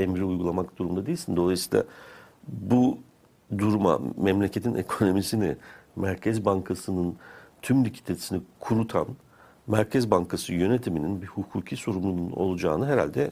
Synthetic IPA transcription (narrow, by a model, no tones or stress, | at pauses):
emɾiujɡulˠamakd̪uɾumd̪ad̪eilʲsind̪o̞lˠajisiːlˠa̰ | bu | d̪uɾuma̰mɛmlʲecʰe̞t̪ʰinʔekʰo̞no̞misinɪmæɾcʰɛzbaŋkʰasɯnɯnt̪ʰymlʲicʰi̥t̪ʰːet̪ʰi̥sinikʰuɾut̪ʰa̰n | mæɾcʰɛzbaŋkʰasɯjø̞ne̞t̪ʰimininbihukʰuːcʰiːsoɾumununo̞̰lˠud͡ʒaːnɯɦeɾa̰lʲd̪ɛ